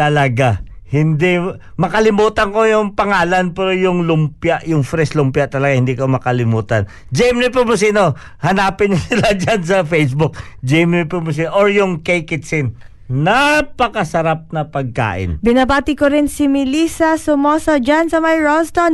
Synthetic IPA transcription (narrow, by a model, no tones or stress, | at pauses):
t̪ɐlɐɡahɪnd̪i | mɐkɐlɪmuːt̪ɐŋko̞jʊŋpɐŋaːlɐnpɛːɾojʊŋlʊmpjaʔjʊŋfɾɛslʊmpjaʔt̪ɐlɐɡahɪnd̪iːkomɐkɐlɪmuːt̪ɐn | d͡ʒɛjmnɪp̬ʊmʊs̬ino | hɐnaːpɪnːosɪlad͡ʒans̬ɐfejsbʊk̚d͡ʒɛmnɪpʊmʊs̬iːnoʔoɹjʊŋkɛjkɪt̪sɪnː | apɐkɐsɐɾap̚nɐpɐɡ̚ka̰ːʔɪ̰nbɪnɐbaːt̪ɪkoɾɪnsɪmɪliːsɐsʊmoːsod͡ʒansɐmajɹolst̪on